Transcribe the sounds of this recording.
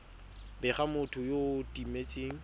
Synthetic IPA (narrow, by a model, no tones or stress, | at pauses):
bɛχamʊtʰʊjotʼimet͡ʃʼeːŋ̩